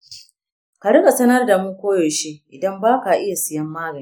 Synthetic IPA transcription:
ka˨ɽʊ˦ka˨sɐ˦nɐ˦rda˨mʊ˦ŋkʷoː˦joː˨ʃi˦ʔɪ˨dɐ˦mbaː˦ka˨ʔɪ˦ja˨sɪ˨jɐ˦mːaː˦ɡɐ˨i˦

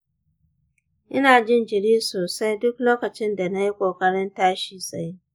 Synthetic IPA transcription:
ʔɪ˦naː˨d͡ʒɪ˦nd͡ʒɪ˨ɽiː˦soː˨sa˦jdʊ˦k̚loː˦kɐ˨t͡ʃɪ˦nda˨na˦ji˦kʷoː˨kɐ˦ɽɪ˦ntaː˦ʃiː˨sa˦j

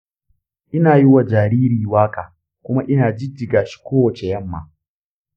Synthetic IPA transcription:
ʔɪ˦naː˨ji˦wa˨d͡ʒaː˨ɾiː˦ɾiː˨waː˦kaː˨ | kʷʊ˦ma˦ʔɪ˦naː˨d͡ʒɪ˦d͡ʒɪ˨ɡaː˨ʃi̥˦kʷoː˦wɐ˨t͡ʃe˨jɐ˦mːa̰ː˨

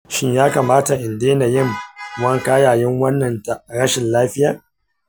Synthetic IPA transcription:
ʃɪ˦ɲjaː˦kaː˨maː˦ta˨ʔɪ˨ndeː˦na˨jɪ˦ŋwɐ˦ŋkaː˦jaː˨jɛ˦ŋwɐ˦nːɐ˨nta˨ɽɐ˦ʃɪ˨nlaː˦ɸɪ˦jaː˨

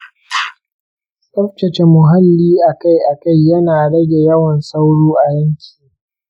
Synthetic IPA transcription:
sʼɐ˦ɸ̚t͡ʃɐ˨t͡ʃe˨mʊ˨ɦa˦lːiː˦ʔa˨ka˦jʔa˨ka˦jːɐ˦naː˨ɽɐ˦ɡʲe˨jɐ˦wɐ˨nsa˦wɽuː˦ʔa˨jɐ˦ŋkʲi̥ː˨

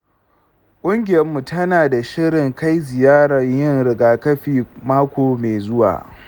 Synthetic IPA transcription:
kʷʼʊ˦ŋɡʲɪ˨jɐ˦mːu˨tɐ˦naː˨da˨ʃɪ˦ɽɪ˨ŋka˦jzɪ˨jaː˦ɽɐ˨ɲjɪ˦ŋɽɪ˨ɡaː˨kɐ˦ɸiː˨maː˦kʷoː˨meː˨zʊ˦wa̰ː˨ʔ

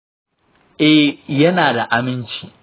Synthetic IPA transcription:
ʔɛ˦hjɐ˦naː˨da˨ʔa˨mɪ˦nt͡ʃiː˨

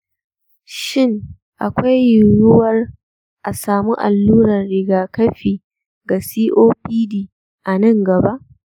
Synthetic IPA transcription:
ʃɪ˦ŋ | ʔa˨kʷa˦jːʊ˨jʊ˦wɐ˦r | ʔa˨saː˨mu˦ʔa˨lːuː˦ɾɐ˨rːɪ˦ɡaː˨kɐ˦ɸiː˨ | ɡa˨siː˦ʔoː˦ɸiː˦diː˨ | ʔa˨nɐ˦ŋɡɐ˨ba˦ʔ

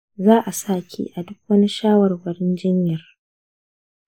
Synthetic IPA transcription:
zaː˦ʔa˨saː˦˨kʲḭ˦ʔa˨dʊ˦k̚wɐ˦ni˦ʃaː˦wɐ˨rwɐ˨ɽɪ˦nd͡ʒɪ˦ɲjɐ˨r

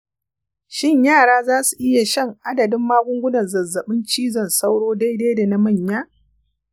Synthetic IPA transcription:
ʃɪ˦˨ɲjaː˦˨ɽaː˦zaː˦su˨ʔɪ˦ja˨ʃɐ˦ŋʔa˦dɐ˨dɪ˦mːaː˦ɡʷʊ˦ŋɡʷʊ˦nɐ˨nzɐ˨zːɐ˨ɓɪ˦nt͡ʃiː˦zɐ˨nsa˦wɽoː˦da˦jdeː˦da˨na˦mɐ˦˨ɲjaː˦

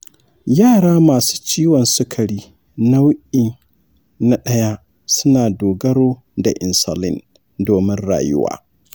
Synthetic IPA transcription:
jaː˦˨ɽaː˦maː˨su̥ː˦t͡ʃiː˦wɔ˨nsʊ˦kʰɐ˨ɽiː˦ | na˦wʔi˨ | na˨ɗɐ˦ja˦ | sʊ˦naː˨doː˨ɡɐ˦ɽoː˦ | da̰˨ʔɪ˨nsa̰˨lɪ̰˦n | doː˨mɪ˦nɽa̰ː˨jʊ̰˦wa̰ː˦

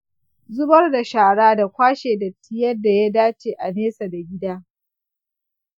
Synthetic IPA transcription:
zʊ˦bɐ˦rda˨ʃaː˨ɽaː˦da˨kʷaː˦ʃeː˨da˨tʰːɪ˦jɐ˦da˨ja˦daː˦t͡ʃeː˨ʔa˨neː˦sa˨da˨ɡʲɪ˦daː˦

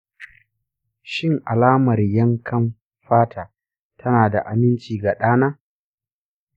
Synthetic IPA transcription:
ʃɪ˦ŋʔa˨laː˦mɐ˨rjɐ˦ŋkʰɐ˦m | ɸaː˦tʰaː˨ | tʰɐ˦naː˨da̰˨ʔa˨mɪ˦nt͡ʃiː˨ɡa˨ɗaː˦naː˦

